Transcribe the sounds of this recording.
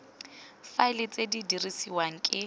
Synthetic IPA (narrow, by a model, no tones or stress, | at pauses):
faɪlɪt͡sʼedidirisiwaŋ̩kʼɪ